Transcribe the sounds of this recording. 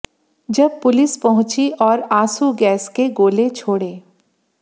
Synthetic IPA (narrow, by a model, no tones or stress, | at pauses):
d͡ʒɐb̚pʊlɪspɐɦʊ̃t͡ʃiʔɔːɾaːsuɡɛːskeɡoːlet͡ʃʰoːɽeː